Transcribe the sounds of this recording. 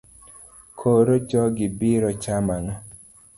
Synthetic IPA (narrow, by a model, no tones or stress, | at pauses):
kʰoɾot͡ʃɔɡɪbɪɾɔt͡ʃamanɔ